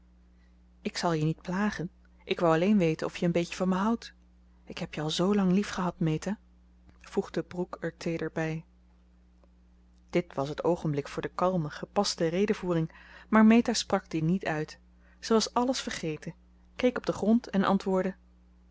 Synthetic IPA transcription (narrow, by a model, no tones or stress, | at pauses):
ɪksɑlˠjənit̚plaːχən | ʔɪkʋawɑlejnʋejtənɔfjəːnbejkəvɑnməɦɑwt | ɪkɦɛpjəɑlˠzowlɑŋlifχəɦɑtmejtaː | v̥uχdəbrukɛɹtʰejdəɹbɛj | d̥ɪtʋɑsɦətowχənblɪkfʊːɹdəkɑlˠməχəpɑstərejdəvuːrɪŋmaːɹmejtaːsprɑɡ̚dinitœɥt | səʋɑsɑləsfəɹχejtə | kejkɔb̚dəχrɔntɛnʔɑ̰ntʋʊːɹdə